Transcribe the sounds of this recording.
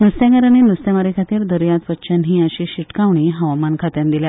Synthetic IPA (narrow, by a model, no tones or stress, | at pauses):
nust̪jãɡaɾanenust̪amaɾikʰat̪iːɾd̪əɾjat̪ʋət̪ːɕanɦiːəɕiɕiʈkaʋɳiːɦəʋamankʰat̪jãnd̪ilja